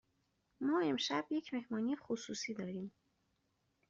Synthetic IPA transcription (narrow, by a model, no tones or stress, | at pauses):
mɒːemʃæbjekʰmehmɒːnixususiːd̪ɒːɾiːm